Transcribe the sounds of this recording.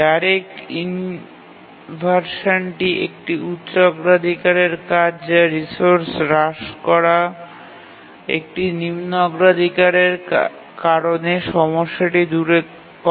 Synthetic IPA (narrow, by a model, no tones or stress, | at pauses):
daɾekin | bʱaɾʃanʈiʔḛk̚ʈiutːɕʃoɡɾad̪ʱikaɾeɾkad͡ʑɾisoɾsɾaʃkɔɾa | ḛk̚ʈinimnɔɡɾad̪ʱikaɾeɾ | kaɾoneʃɔmoʃːaʈid̪uɾe | kɔ